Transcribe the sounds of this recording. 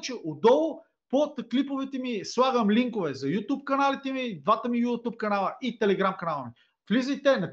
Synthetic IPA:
t͡ʃɛʔod̪ɔlˠʊ | pot̪klipovɛt̪ɛmislˠaɡəmliŋkovɛzɐjut̪up̚kɐnalit̪ɛmid̪vat̪əmijut̪up̚kɐnalˠəʔit̪ɛlɛɡɾamkɐnalˠəmi | flizəjt̪ɛnɐ

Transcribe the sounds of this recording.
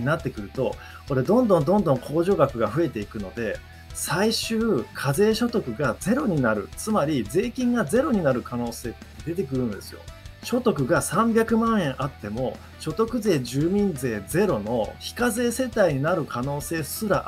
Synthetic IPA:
inat̪ːe̞kɯ̟ɾɯ̟t̪o̞ | ko̞ɾe̞d̪õ̞nd̪õ̞nd̪õ̞nd̪õ̞ŋkʰo̞ːʑo̞ːɡakɯ̟ɡaɸɯ̟e̞t̪e̞ikɯ̟no̞d̪e̞ | saiɕɨːkʰaze̞ːɕo̞t̪o̞kɯ̟ɡad͡ze̞ɾo̞ɲ̟inaɾɯ̟̰t͡sɨmaɾʲid͡ze̞ːkʲĩŋɡaze̞ɾo̞ɲ̟inaɾɯ̟kʰano̞ːse̞ːt̪d̪e̞t̪e̞kɯ̟ɾɯ̟̃nd̪e̞sɨjo̞̰ɕo̞t̪o̞k̬ɯ̟ɡasãmbʲakɯ̟mãɰ̃ẽ̞ɰ̃ʔat̪ːe̞mo̞ | ɕo̞t̪o̞kɯ̟ze̞ːʑɨːmʲĩnd͡ze̞ːd͡ze̞ɾo̞no̞çi̥kaze̞ːse̞t̪aiɲ̟inaɾɯ̟kʰano̞ːse̞ːsɨɾa

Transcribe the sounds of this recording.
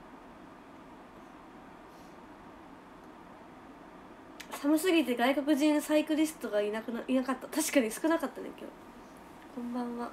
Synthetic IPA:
samɯ̟sɨɡʲit̪e̞ɡaiko̞k̬ɯ̟ʑĩñsaikɯ̟ɾʲisɨ̥t̪o̞ɡaiinakat̪ːat̪aɕi̥kaɲ̟isɨ̥kɯ̟nakat̪ːanḛkʲḛː | kõ̞mbãβa

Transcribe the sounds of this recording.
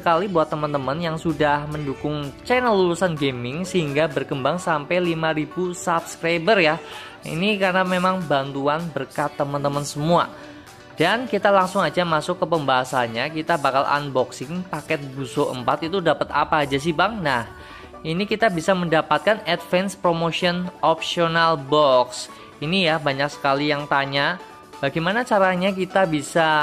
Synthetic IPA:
əkalibuat̪ːəmənt̪əmənjaŋsudahməndukʊŋt͡ʃɛnəlːulusanɡemɪŋsəɦiŋɡabərkəmbaŋsampalimaɾibusapskɾajbərja | ḭnikarnamemaŋbant̪uanbərkat̪ːəmənt̪əmənsəmua | d̥ankit̪alaŋsʊŋad͡ʒamasʊkːəpəmbaɦasaɲakit̪abakala̰nbɔksɪŋpakɛt̪̚busoʔə̰mpat̪it̪udapət̪a̰paːd͡ʒas̬ibaŋnah | inikit̪abisaməndapat̪̚kanɛt̪fɛnspɾomosiɔnɔpsionalbɔks | inijabaɲaksə̥kalijaŋt̪aɲa | b̥aɡajmanat͡ʃaɾaɲak̬it̪abisa

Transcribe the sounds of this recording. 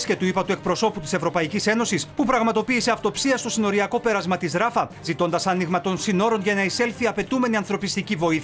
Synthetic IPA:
sce̞t̪uipɐt̪ue̞k̚pɾo̞so̞put̪i̥se̞vɾo̞pɐicise̞no̞sispupɾɐɣmɐt̪o̞piːse̞ɐft̪o̞psiɐst̪o̞sino̞ɾiɐko̞pe̞ɾɐzmɐt̪izɾɐfɐzit̪o̞nd̪ɐsɐniɣmɐt̪o̞nsino̞ɾo̞nʝɐnɐise̞lθiɐpe̞t̪ume̞niɐnθɾo̞pist̪icivo̞iθ

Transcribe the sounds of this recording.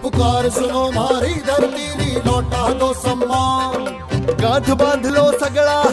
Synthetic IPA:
pʊkaːɾzʊnoːmaːɾiːd̪ɐɾt̪iːniːnɔːʈaːd̪oːsɐmːãː | ɡãd̪ʱbãːd̪ʱəloːsəɡɭaː

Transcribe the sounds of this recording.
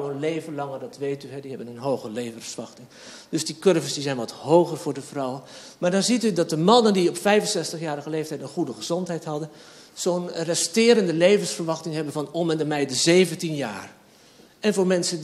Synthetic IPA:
wənlejvənlɑŋədɑtʋejtyɦɛdiɦɛbənənɦowχəlejvənsʋɑxtɪŋ | d̥ɵsdikøɹvəsdizɛjnʋɑtɦowχərvʊːɹdəvrʌwən | maːɹdɑnzitydɑt̚dəmɑnəndiɔpfɛjvənsɛstəχjaːɾəχəlejftɛjtənχudəχəzɔntɦɛjtɦɑdənz̥oːnrɛstɪːɾəndəlejvənsfərʋɑχtɪŋɦɛbənvɑnɔmɛndəmɛjdəzejvəntinjaːr | ɛnvʊːɹmɛnsə

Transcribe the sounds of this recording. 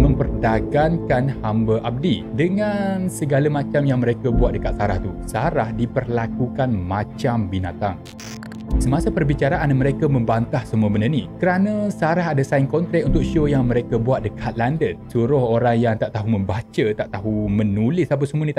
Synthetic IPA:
mə̃mpərdaɡaŋkanhambaʔab̚didəŋansəɡalamat͡ʃamjaŋməɾekabuat̪̚dəkat̪̚saɾaht̪usaɾahdipərlakukanmãt͡ʃambinat̪aŋ | səmasapərbit͡ʃaɾaʔanməɾekamə̃mbant̪ahsəmuəbənərnikəɾanãsaɾaɦadasainkɔnt̪ɾɛʔunt̪ʊk̚ʃojaŋməɾekabuat̪̚dəkʰat̪̚landət̪̚suɾʊhoɾaŋjaŋt̪aʔt̪aɦumə̃mbat͡ʃət̪aʔt̪aɦumə̃nulɪsap̬əsəmuənĩt̪a

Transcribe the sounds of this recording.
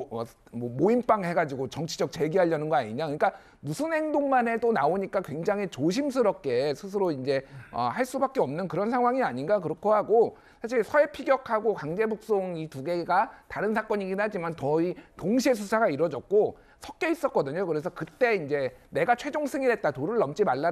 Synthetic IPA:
ʌ | mʌmoimp͈aŋɦe̞ɡad͡ʑiɡot͡ɕʌŋt͡ɕʰid͡ʑʌk̚t͡ɕe̞ɡiɦaʎːʌnɯnɡʌaɲiɲakɯɲik͈a | musʰunɦe̞ŋdoŋmane̞t͈onaoɲik͈akwe̞ŋd͡ʑaŋɦit͡ɕoɕ̬ʰims̬ʰɯɾʌp̚k͈e̞sʰus̬ʰɯɾoind͡ʑe̞ʌ̰haɭs͈ubak͈eʌmnɯnkɯɾʌnsʰaŋɦwaŋiaɲinɡakɯɾʌkʰohaɡo | sʰaɕ̬ʰiɭsʰʌe̞pʰiɡjʌkʰaɡokwaŋd͡ʑe̞buk̚s͈oŋituɡe̞ɡataɾɯnsʰak͈ʌɲiɡinad͡ʑimantʌitoŋɕʰie̞s̬ʰusʰaɡaiɾʌd͡ʑʌk̚k͈o | sʰʌk̚k͈e̞is͈ʌk͈̚ʌdɯɲokɯɾe̞s̬ʰʌkɯt͈e̞ind͡ʑe̞ne̞ɡat͡ɕʰwe̞d͡ʑoŋsʰɯŋiɾɦe̞t̚t͈atoɾɯɭːʌmt͡ɕ͈imaɭːa

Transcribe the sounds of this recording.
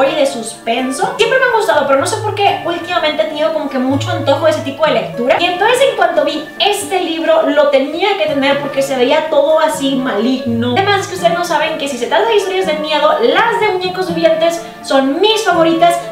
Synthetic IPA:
oɾiðe̞suspe̞nso̞sje̞mpɾeme̞aŋɣust̪að̞o̞pe̞ɾo̞no̞sepo̞ɾke̞ult̪imamẽnt̪et̪eniðo̞ko̞mo̞ke̞mut͡ʃo̞e̞nt̪o̞xoeset̪ipo̞ðe̞le̞kt̪uɾaie̞nt̪o̞nse̞se̞ŋkwant̪o̞βi | e̞st̪e̞liβɾo̞lo̞t̪e̞niaket̪e̞ne̞ɾpo̞ɾke̞se̞βeiat̪o̞ðo̞asimaliɣnoemaskeust̪e̞ðeznosaβe̞ŋke̞sise̞t̪ɾat̪aðeist̪oɾjazðemje̞ðo̞lazðeɲekozβiβjent̪e̞sː | o̞nmisfaβo̞ɾit̪as

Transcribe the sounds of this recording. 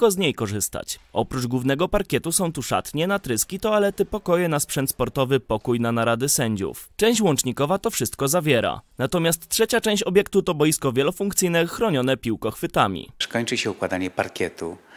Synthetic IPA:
kɔzɲejkɔʐɘst̪a̰t͡ɕʔɔpɾud͡ʐɡwuvnɛɡɔpaɾkʲɛt̪usɔ̃w̃t̪uʂa̰t̪ɲɛnat̪ɾɘskʲit̪ɔalɛt̪ɘpɔkɔjɛnaspʂɛnt̪spɔɾt̪ɔvɘpɔkujnanaɾad̪ɘsɛɲd͡ʑṵft͡ʂɛ̃w̃ɕt͡ɕwɔnt͡ʂɲikɔvat̪ɔfʂɘst̪̚kɔzavʲjɛɾa̰nat̪ɔmʲjast̪ːʂɛt͡ɕat͡ʂɛ̃w̃ɕt͡ɕɔbʲjɛkt̪ut̪ɔbɔjiskɔvʲjɛlɔfuŋkt̪sɘjnɛxɾɔɲɔnɛpʲiwkɔxfɘt̪amʲḭʂkɔɲt͡ʂɘɕɛukwad̪aɲɛpaɾkʲjɛt̪u

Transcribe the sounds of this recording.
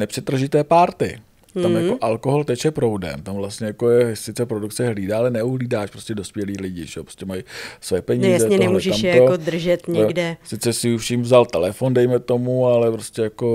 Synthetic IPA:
nɛpr̥ɛt̪r̩ʒɪt̪ɛːpaːɾt̪ɪ̰ | t̪amjakoʔalkoɦolt̪ɛt͡ʃjɛpɾowdɛ̰mt̪amvlast̪ɲɛjakojɛsɪt͡sɛpɾo̞duk̪̚t͡sɛɦliːdaːalɛnɛuɦliːdaːʃpɾoscɛdo̞spjɛliːlɪɟɪ̰ʒɛjopɾoscɛmajsojɛpɛɲiːjzɛtɲɛnɛmuʒɛamt̪ood̪r̩ʒɛt̪ɲɛɡdɛsɪt͡sɛsɪufʃiːmvzalt̪ɛlɛfo̞ndɛjmɛt̪o̞mualɛpɾoscɛjako

